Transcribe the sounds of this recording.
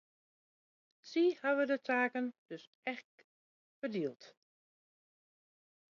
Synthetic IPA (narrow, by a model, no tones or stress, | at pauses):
sihaʋədətʰaːkənd̥øs | ɛxk | fərdiəlˠt